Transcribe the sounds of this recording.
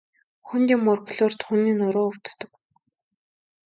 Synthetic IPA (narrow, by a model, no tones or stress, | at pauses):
xɵnt̪iːmːʊrkɮʊːr̥t̪xuniːnʊɾʊːʊw̥t̪t̪ɞ̆k